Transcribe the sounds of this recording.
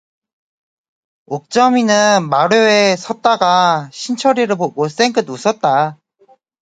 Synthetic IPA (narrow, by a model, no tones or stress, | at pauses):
ok̚t͡ɕ͈ʌminɯnmaɾoesʰʌt̚t͈aɡaɕʰint͡ɕʰʌɾiɾɯɭboɡos͈eŋɡɯdusʰʌt̚t͈a